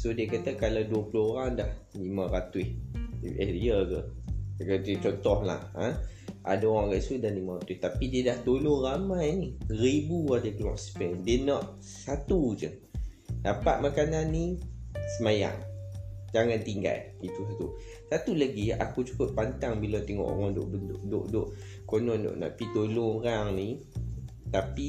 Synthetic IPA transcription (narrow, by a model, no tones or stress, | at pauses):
sodiəkat̪akalawduəplooɾaŋdahlimaɾat̪ʊhəjəɡə | ət͡ʃɔnt̪ɔhla̰hə̃ʔa̰daoɾaŋɡaʔsudanlimaɾat̪ʊht̪apidiədaht̪olonramajniɾibuadəkəlɔ̰ʔspɛndiənɔʔ | sat̪ud͡ʒə | dapaʔ̪̚makananːisəmaja̰ŋ | d͡ʒaŋãnt̪iŋɡa̰l | it̪usat̪u | sat̪ulaɡia̰kut͡ʃu̥kəʔ̚pant̪aŋbilat̪eŋɔ̰ʔo̰ɾaŋdo̰ʔbənt̪ʊʔdo̰ʔdoʔ | konɔndo̰ʔnã̰ʔpit̪olʊŋoɾaŋni | t̪api